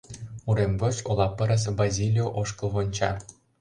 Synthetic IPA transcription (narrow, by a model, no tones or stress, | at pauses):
uɾemɡot͡ɕolˠɑpɤ̆ɾə̆s̬bazʲilʲijoʔoʃkɤ̆lˠβonʲt͡ɕɑ̰